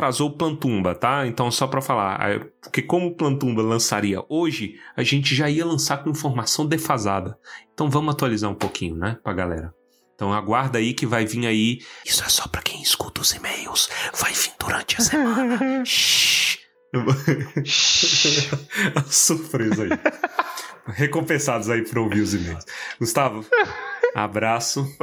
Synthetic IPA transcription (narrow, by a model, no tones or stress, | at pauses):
t̪ɾazoʊplɐ̃t̪ũbɐt̪aẽnt̪ɐ̃w̃sɔpɾɐfala̰ɾa̰po̥ɾkekõmʊplɐ̃t̪ũbɐlɐ̃saɾiɐ̰ʔoʒɪaʒẽnt͡ʃɪʒaiɐlɐ̃sakõĩfoɾmasɐ̃w̃d̪efazad̪ɐẽt̪ɐ̃w̃vɐ̃mʊat̪ualizaɾũpokʰĩɲʊnɛpɾɐɡalɛ̰ɾɐ | ẽt̪ɐ̃w̃aɡwaɾd̪ɐaikɪvajvĩaiisʊɛsɔ̥pɾɐkẽj̃ɪskut̪ɐʊzimejʊsv̥ajvĩd̪uɾɐ̃nt͡ʃɪɐsem̃n | ɐsuɾpɾezai | hekõpẽsad̪ʊzaipɾɐowviɾʊzimejʊsɡ̥ʊst̪avɐ | a̰bɾasʊ